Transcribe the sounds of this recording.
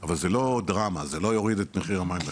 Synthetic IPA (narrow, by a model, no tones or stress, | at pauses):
avalzelo̞d̪ʁamazelo̞jo̞ʁid̪et̪meχiʁamajimle